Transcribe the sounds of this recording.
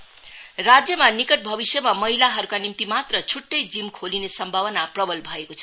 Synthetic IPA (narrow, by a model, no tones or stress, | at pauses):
rad͡zjʌmanikʌʈ̚bʱʌbisjʌmamʌɦilaɦʌɾukanimt̪imat̪rʌt͡sʰuʈːʌjd͡zimkʰolinesʌmbʱabʌnaprʌbʌlbʱʌekot͡sʰʌ̥